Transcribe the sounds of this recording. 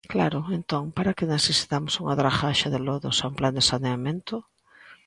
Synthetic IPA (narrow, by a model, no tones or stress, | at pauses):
klaɾʊent̪oŋpaɾakɪneθesi̥t̪amosuŋaðɾaxaʃaðɪloðo̰saumpland̪esaneamẽnt̪ʊ